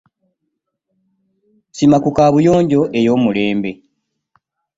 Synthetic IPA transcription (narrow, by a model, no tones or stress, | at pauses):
simakukaːβujo̞ːɲɟo̞ʔe̞jo̞ːmule̞ːmbe̞